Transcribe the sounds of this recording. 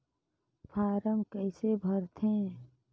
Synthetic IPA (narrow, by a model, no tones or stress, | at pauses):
pʰaːɾəmkəɪsebʱəɾt̪ʰẽ